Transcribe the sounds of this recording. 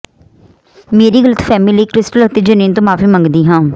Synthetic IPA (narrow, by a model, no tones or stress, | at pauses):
meːɾiːɡələt̪fʰɛːmɪliiːkɾɪsʈəlʊt̪eːd͡ʒəniːnt̪õːmaːfiːmə̃ŋɡd̪iːɦãː